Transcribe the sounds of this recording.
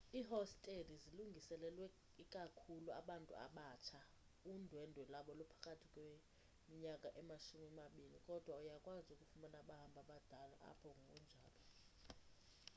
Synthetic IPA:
iːɦɔstʼediziluŋɡʱisɛlɛlwɛ | ikʼakʰulua̰ɓantʼṵa̰ɓat͡ʃʰa | undʱwɛndʱwɛlaɓɔlɔpʰḁkʼatʰikʼwe | miɲakʼaʔɛmaʃumimaɓilikʼɔd̥ʱwaujakʼwazukʼufumanaɓaɦambʱaɓad̥ʱalaʔa̰pʰɔŋɡʱṵnd͡ʒʱaːlɔ

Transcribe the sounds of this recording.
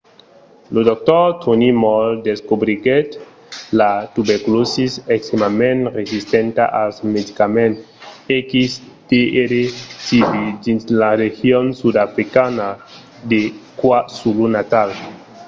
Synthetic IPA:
lod̪ɔk̚t̪ɔt̪onimɔld̪eskobɾiɡet | lat̪ubeɾkulosisekst̪emamẽnɾesist̪ent̪a̰ʔasmed̪ikamẽn | ekis | d̪̥eeɾesividinslaɾexjonsud̪afɾikana | d̪ekwasulunat̪al

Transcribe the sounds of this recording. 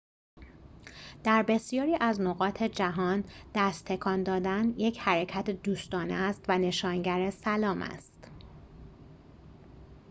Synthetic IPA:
d̪̥æɾbe̞sjɒːɾiːʔæznoɣɒːt̪ʰe̞d͡ʒæɦɒːnd̪̥æst̪ʰːe̞kʰɒːnd̪ɒːd̪ænje̞cʰhæɾecʰæt̪ʰed̪uːst̪ɒːneæst̪væne̞ʃɒːnɟæɾesælɒːmʔæ̰st̪

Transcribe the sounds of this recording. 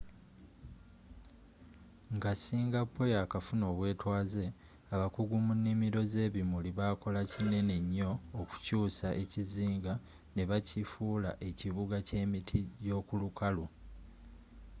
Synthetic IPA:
ŋɡasiːŋɡapʰːo̞jakafuno̞ːβwe̞ːtwaːze̞ | aβakuɡumunːimiɾo̞ze̞ːβimuliβaːko̞lacinːe̞ne̞ɲːo̞ːku̥cuːsaʔe̞ciziːŋɡa | ne̞βacʰifuːla̰ʔe̞ciβuɡace̞ːmitʰiɟo̞ːkulukʰalu

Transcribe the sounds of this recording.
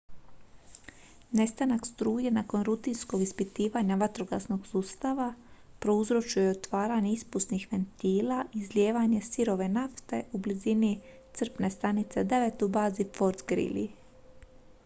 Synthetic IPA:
ne̞st̪anakst̪ɾuːjenaːko̞nɾut̪insko̞ɡispit̪iːʋaɲaʋat̪ɾo̞ɡa̰sno̞ɡ̥suːst̪aʋa | pɾo̞uzɾo̞t͡ʃujeot̪ʋaːɾaɲe̞ispusnixʋe̞nt̪iːlaʔizlʲje̞ːʋaɲe̞siɾo̞ʋe̞naft̪e̞ʔublizinit̪sr̩pne̞st̪anit̪sed̪e̞ʋet̪ubaːzifo̞ɾt̪ɡɾḭlḭ

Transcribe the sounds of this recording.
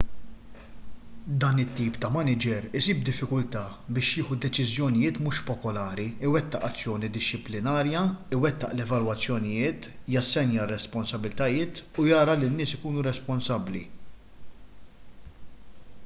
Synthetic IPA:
d̪ɐːnɪt̪ːiːpt̪ɐmɐnɪd͡ʒɛɾɪsiːb̚d̪ɪfːɪkʊlt̪ɐːbɪːʃjɪːħud̪ɛt͡ʃɪzjɔnɪjɪːt̪mʊːʃpɔpɔlɐːɾiɪwɛt̪ːɐʔɐt͡sːjɔːnid̪ɪʃːɪplɪnɐːɾjɐɪwɛt̪ːɐ̰ʔlɛvɐlwɐt͡sːjɔnɪjɪːt̪jɐsːɛnjɐrːɛspɔnsɐbːɪlɪt̪ɐjɪːt̪ujɐːɾɐlinːɪːsɪkuːnuɾɛspɔnsɐbːlḭ

